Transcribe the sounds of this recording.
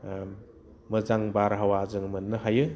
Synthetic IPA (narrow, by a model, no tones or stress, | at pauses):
mɯzaŋbaɾɦawazɯŋmɯnːɯhajɯ